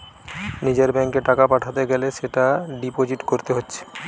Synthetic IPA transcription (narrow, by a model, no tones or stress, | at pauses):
nid͡ʑeɾbɛŋkeʈakapaʈʰat̪eɡɛleʃeʈaɖipod͡ʑiʈkoɾt̪eɦotːʃʰe̥